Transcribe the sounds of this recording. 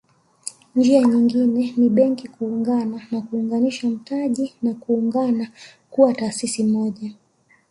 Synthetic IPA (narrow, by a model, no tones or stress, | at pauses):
ɲd͡ʒiaɲiŋɡinɛniɓɛŋkikuːŋɡananakuːŋɡaniʃam̩taʄinakuːŋɡana | kuwataːsisimɔʄa